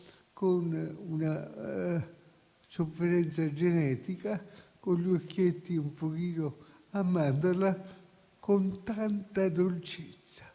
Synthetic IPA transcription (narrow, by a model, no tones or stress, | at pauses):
konuna | sofːeɾɛnt̪sad͡ʒenɛːt̪ikakoʎokːjet̪ːiumpokiːno | amːand̪ola | kont̪ant̪ad̪olt͡ʃet̪sːḁ